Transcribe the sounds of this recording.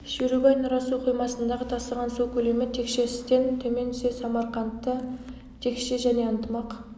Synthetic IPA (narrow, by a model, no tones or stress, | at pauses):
ʃeɾubɑjnɑɾɑsuqʰijmɑsənd̪ɑʁət̪ʰɑsəʁɑnsukʲʰɵle̞mɪt̪ʰe̞kʃe̞sɪ̥st̪e̞nt̪ʰɵme̞nsesɑmɑɾqɑnt̪ːə | t̪ʰe̞kʃeʒæne̞ənt̪əmɑq